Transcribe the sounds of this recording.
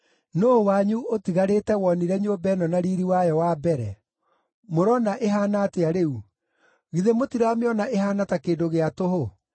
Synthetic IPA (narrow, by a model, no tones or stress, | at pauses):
noːwaɲuotiɣaɾeːtɛwɔniɾɛɲoːbɛnɔnaɾiɾiwajɔwabɛɾɛ | moɾɔnaʔeɦaːnateaɾeu | ɣiðemotiɾaːmeɔnaʔeɦaːnatakeːdoɣeatoɦo